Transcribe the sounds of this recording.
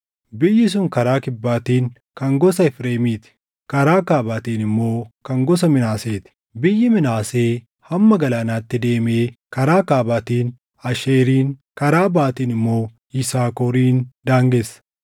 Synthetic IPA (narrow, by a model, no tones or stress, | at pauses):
bɪjːɪs̬ʊŋkɐɾaːkɪbːaːt̪iːŋ | kɐŋɡɔsɐɪfɾeːmiːt̪ɪ̥ | kɐɾaːkaːbaːt̪iːnɪmːo̞ːkɐŋɡɔs̬ɐmɪnaːseːt̪ɪ̥ | bɪjːɪmɪnaːse̞ː | hɐmːɐɡɐlaːnaːt̪ːɪd̪e̞ːmeːkɐɾaːkaːbaːt̪iːn | ɐʃeːɾiːnkɐɾaːbaːt̪iːnɪmːo̞ː | ɪsaːkɔɾiːnd̪aːŋɡesɐ̥